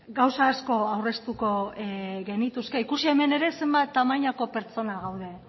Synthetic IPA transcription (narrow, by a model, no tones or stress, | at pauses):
ɡawsaːsko̞awre̞st̪uko̞ɣe̞nit̪uske̞ikusie̞me̞ne̞ɾe̞se̞mbat̪ːamaɲako̞pe̞ɾt͡so̞naɣawð̞e̞